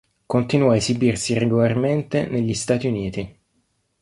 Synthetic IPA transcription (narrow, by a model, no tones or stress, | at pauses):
kont̪inuɔaezibirsireɡolarment̪eneʎːist̪aːt̪iuniːt̪i